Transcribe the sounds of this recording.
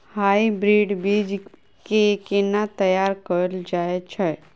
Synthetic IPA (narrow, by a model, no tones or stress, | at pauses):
haːibɾiːɖbiːd͡ʒ | kekenat̪əjaːɾkəɾld͡ʒaːet͡ʃʰɛ